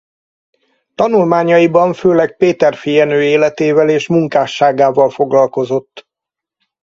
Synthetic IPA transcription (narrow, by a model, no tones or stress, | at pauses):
t̪ɒnulmaːɲɒjibɒɱføːlɛk̚peːt̪ɛrfijɛnøːeːlɛt̪eːvɛleːʃmuŋkaːʃːaːɡaːvɒlfo̞ɡlɒlko̞zo̞t̪ː